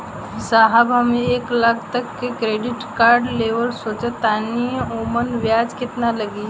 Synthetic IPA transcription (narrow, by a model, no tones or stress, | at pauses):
saɦəbɦəmeeːklakʰt̪əkːekɾeːɖɪʈkaːɾɖleːʋəlsoːt͡ʃət̪aːnioːmənʋjaːd͡ʒkɪt̪naləɡi